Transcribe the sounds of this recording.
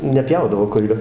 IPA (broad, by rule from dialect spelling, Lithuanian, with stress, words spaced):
nʲɛˈpʲjɛʊdɐʋoː ˈkʊɪlʲoː